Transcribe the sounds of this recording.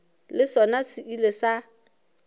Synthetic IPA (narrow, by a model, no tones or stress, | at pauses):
lɪsɔnasɪʔilesa